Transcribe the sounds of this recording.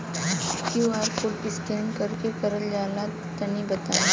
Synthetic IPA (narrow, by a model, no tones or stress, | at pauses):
kjuaːɾkoːʈbɪskeːnkɐɾkepɐɾəld͡ʒaːla | t̪ɐnibɐt̪aːe